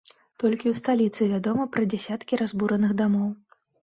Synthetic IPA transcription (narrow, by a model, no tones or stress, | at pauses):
t̪ɔlʲkʲiwst̪alʲit̪sɨvʲad̪ɔmɐpɾɐd͡zʲasʲat̪kʲiɾazbuɾɐnɨɣd̪amɔw